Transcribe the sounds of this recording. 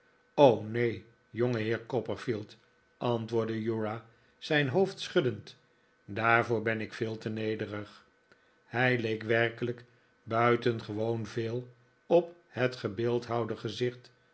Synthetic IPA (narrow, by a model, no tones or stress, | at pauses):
ownej | joŋəɦɪːɹkɔpəɹfilˠt | ʔɑntʋʊːɹdəjuɹa | z̥ɛjnɦowftsχɵdənt | daːɹvʊːɹbɛnɪkfɪːlˠtənejdərəχ | hɛjlejkʋɛrkələk | bœɥtənχəʋownveːlˠ | ɔp | hətχəbɪːlˠtɦɑwdəχəzɪχt